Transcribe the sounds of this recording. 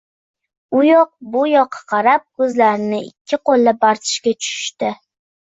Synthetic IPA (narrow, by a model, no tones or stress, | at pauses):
ʊjɒq̚bʊjɒqʰːɑ̥qʰɑɾap̚kʰɵzlaɾɪnɪɪ̰kʲʰːɪqolːɪbaɾt̪ʰɪ̥ʃkʲat͡ʃʰʊ̥ʃɪ̥ʃt̪ɪ